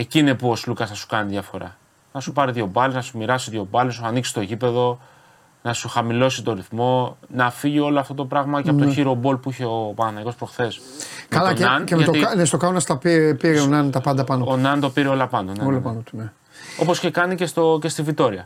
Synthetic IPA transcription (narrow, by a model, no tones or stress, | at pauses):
e̞cinepuo̞slukɐsθɐsu̥kɐniðjʝɐfo̞̰ɾɐ̰ | nɐsupɐɾiðʝo̞bɐliznɐsumiɾɐsiðʝo̞bɐliznɐsuɐniksi̥t̪o̞ecipe̞ðo̞ | nɐsuxɐmilo̞sit̪o̞ɾiθmo̞nɐfiʝio̞loɐft̪o̞t̪o̞pɾɐɣmɐceɐoot̪oçiɾo̞bo̞lpuiçe̞o̞pɐɐnɐiko̞spɾo̞xθe̞s | ɐlɐɐneɐt̪oɐnest̪okɐonɐst̪ɐpipiɾeonɐnt̪ɐpɐnd̪ɐpɐnoonɐnt̪o̞piɾeo̞lɐpɐnoneolɐpɐnot̪une | o̞po̞sçe̞kɐnicest̪oce̞st̪ivit̪o̞ɾiɐ